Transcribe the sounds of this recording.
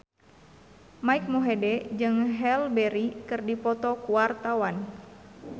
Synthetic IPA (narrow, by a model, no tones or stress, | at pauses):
maik̚moɦedɛd͡ʒɨŋɦɛlbɛɾikɨrdipɔt̪ɔkuart̪awan